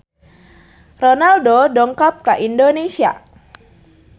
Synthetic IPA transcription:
rɔnaldodɔŋkap̚kaʔindonesia̰

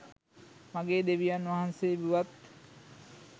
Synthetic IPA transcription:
maɡeːd̪eʋijanːʋaɦansebuʋat̪̚

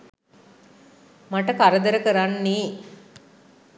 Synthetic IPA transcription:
maʈəkaɾəd̪əɾəkəɾanːi

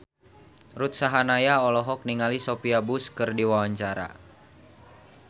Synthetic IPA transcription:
rut̪̚saɦanajaɔlɔɦɔk̚niŋalisopiabuskɨrdiwawaɲt͡ʃaɾa̰

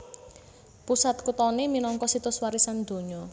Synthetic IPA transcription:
pusat̪̚kut̪ɔneminɔŋkɔsit̪ʊswaɾisand̪̥o̤ɲɔ

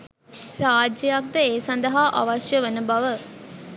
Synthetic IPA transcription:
ɾaːd͡ʒjəjak̚d̪əeːsɐnd̪ɐɦaʔa̰ʋaʃjəʋenəbɐʋə

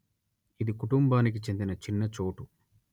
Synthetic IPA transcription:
id̪ikuʈumbaːnik̬it͡ʃe̞nd̪inɐt͡ʃinːɐt͡ʃo̞ːʈu

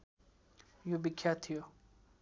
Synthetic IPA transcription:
jubikʰːjat̪ʰijo

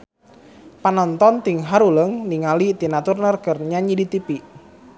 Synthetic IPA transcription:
panɔnt̪ɔnt̪iŋɦaɾuləŋniŋalit̪inat̪urnərɡərɲaɲidit̪ipiʔ

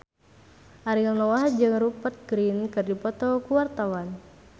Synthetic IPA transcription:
ʔaɾinɔahd͡ʒɨŋrupət̪̚ɡ̥ɾinkɨrdipɔt̪ɔkuwart̪awan

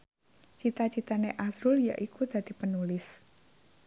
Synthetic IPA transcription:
t͡ʃit̪at͡ʃit̪aneʔazɾʊlja̰ʔikud̪̥ä̤d̪̥i̤pənulɪs

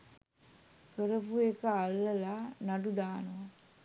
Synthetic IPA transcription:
kəɾəpuekəalːəlanaɖud̪aːnuʋa

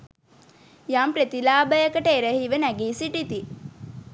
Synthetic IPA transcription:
jaːmpɾet̪ilaːbəjəkəʈəeɾəhiʋənæɡiːsiʈit̪i

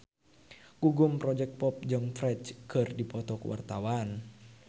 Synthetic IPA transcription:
ɡuɡumpɾɔd͡ʒɛk̚t̪̚pɔp̚d͡ʒɨŋfɾɛt͡ʃkɨrdipɔt̪ɔkuwa̰rt̪awan

